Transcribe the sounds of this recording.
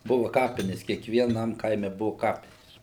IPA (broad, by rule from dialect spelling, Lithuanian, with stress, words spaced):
ˈbʊʋɐ ˈkɑːpʲɪnʲɛs kʲiɛkʋʲiɛˈnɐm ˈkɐɪmʲɛ ˈbʊʋɐ ˈkɑːpʲɪnʲeːs